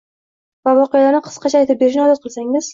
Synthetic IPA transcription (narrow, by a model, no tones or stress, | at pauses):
vavɒqɨjalaɾnɪqʰɨ̥sqʰɑt͡ʃʰaːjt̪ɪp̚be̞ɾɪʃnɒzɒt̪̚qʰɨlˠsaŋɪz̥